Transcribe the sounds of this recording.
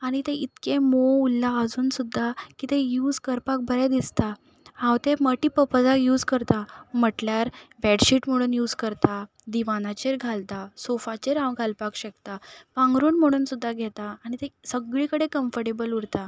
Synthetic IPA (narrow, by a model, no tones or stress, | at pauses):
aɽ̃it̪eʔit̪kemoulːaəd͡zuːnsud̪ʱːakit̪ejuːd͡zkəɾpak̚bʱəɾɛd̪ist̪a | hãwt̪eməʈiːpəpəd͡zakjuːd͡zkəɾt̪am̤əʈljaɾbɛɖɕiːʈm̤əɽ̃uːnjuːd͡zkəɾt̪a | d̪iʋanat͡ɕeɾɡʱalt̪asofat͡ɕeɾãwɡʱalpakɕekt̪apãŋɡɾuːnm̤əɽ̃uːnsud̪ʱːaɡʱɛt̪aːɽ̃it̪esəɡɭikəɽekəmfəɾʈebəluɽt̪a